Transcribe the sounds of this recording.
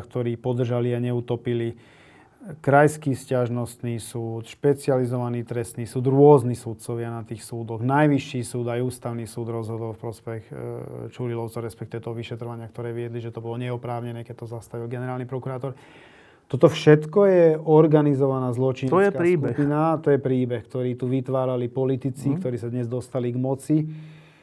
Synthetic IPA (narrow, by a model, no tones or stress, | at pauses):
kt̪ɔɾiːpɔd̪r̩ʒaliaɲɛut̪ɔpili | kɾajskiːfscaʒnɔst̪niːsuːt̪ʃpɛt͡sɪalizɔʋaniːt̪ɾɛst̪niːsuːd̪ɾʊɔznisut̪̚t͡sɔʋɪanat̪iːxsuːd̪ɔɣnajʋiʃːiːsuːd̪ajuːst̪aʊniːsuːd̪ɾɔzɦɔd̪ɔlfpɾɔspɛxt͡ʃulilɔʊt͡sɔɾɛspɛkt̪iʋɛt̪ɔɦɔʋiʃɛt̪ɾɔʋaɲɪakt̪ɔɾɛːʋɪɛd̪liʒɛt̪ɔbɔlɔɲɛɔpɾaːʊɲɛnɛːkɛc̚t̪ɔzast̪aʋilɡɛnɛɾaːlnipɾɔkuɾaːt̪ɔɾ | t̪ɔt̪ɔfʃɛt̪kɔjɛɔɾɡanizɔʋanaːzlɔt͡ʃinjɛkaɾiːkbupinat̪ɔjɛpɾiːbɛxkt̪ɔɾiːt̪uʋit̪ʋaːɾalipɔlit̪it͡sikt̪ɔɾiːsad̪ɲɛzd̪ɔst̪aliɡmɔt͡si